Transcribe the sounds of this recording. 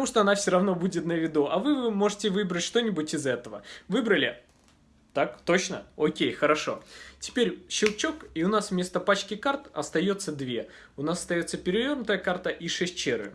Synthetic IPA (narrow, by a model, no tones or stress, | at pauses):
ət̪ɐmuʂt̪oɐnafsʲoɾɐvno̞budʲɪt̪nəvʲɪd̪uɐvɨvɨmo̞ʐɨtʲɪvɨbɾətʲʂt̪o̞nʲɪbʊtʲɪzɛt̪əvə̰vɨbɾəlʲɪ | t̪akt̪o̞t͡ɕnə̰okʲejxəɾɐʂo̞̰tʲɪ̥pʲeɾʲɕɪlˠt͡ɕo̞kiʊnasvmʲe̞st̪əpat͡ɕkʲɪkart̪ɐ̰st̪ɐjo̞t̪səd̪vʲe̞ | ʊnasɐ̥st̪ɐjo̞t̪səpʲɪɾʲɪvʲo̞rnʊt̪əjəkart̪əʔiʂɛsʲt̚ʲt͡ɕervʲɪ̰